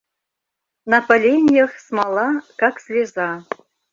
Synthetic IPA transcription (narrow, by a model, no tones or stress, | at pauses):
nɑpɐlʲenʲjəxsmɑlˠɑkɑksʲlʲezɑ